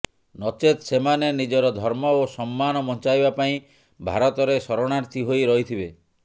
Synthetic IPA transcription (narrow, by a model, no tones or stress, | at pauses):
nɔt͡ʃet̪semanenid͡ʒɔɾɔd̪ʱɔɾmɔosɔmːanɔmɔnt͡ʃajbapaĩ | bʱa̰ɾɔt̪ɔɾesɔɾoɽ̃aɾt̪ʰiɦojɾɔɦit̪ʰibe